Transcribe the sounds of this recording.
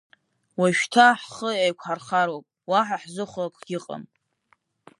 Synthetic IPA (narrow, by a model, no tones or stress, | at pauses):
waʃtʰaħχəejkʷʰħarχaɾwakʼwaħaħzɨχʷakʼɡʲɪqʼa̰m